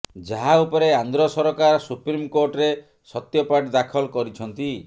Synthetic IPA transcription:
d͡ʒaɦaupɔɾeand̪ɾɔsɔɾɔkaɾɔsupɾimkoɾʈɾe | sɔt̪jɔpaʈd̪akʰɔlkɔɾit͡ʃʰɔnt̪i

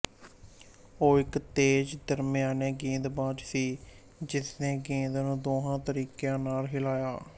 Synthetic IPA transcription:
oːɪkt̪eːd͡ʒd̪əɾmɪjãːnẽːɡĩːnd̪bãːd͡ʒsiː | d͡ʒɪsnẽːɡĩːnd̪nũːd̪oːɦãːt̪əɾiːkjãːnaːlɦɪlaːjaː

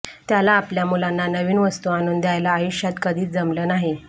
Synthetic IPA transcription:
t̪jalaːpljamulanːanəʋiːnʋəst̪uanuːnd̪jajlaːjuɕjat̪kəd̪ʱiːt͡sd͡zəmləːnaɦi

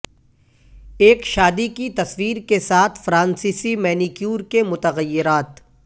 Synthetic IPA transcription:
eːkʃaːd̪ikit̪ɐswiːɾkesaːt̪ʰfɾãːnsiːsimɛːnikjuːɾkemʊt̪əɣəjːɪɾaːt̪

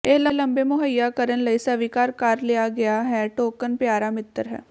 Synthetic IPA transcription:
eːlələmbeːmʊɦəjːaːkəɾənləiːsəʋikaːɾkəɾlɪjaːɡɪjaːɦɛːʈoːkənpjaːɾaːmɪt̪ːəɾɦɛ̰ː

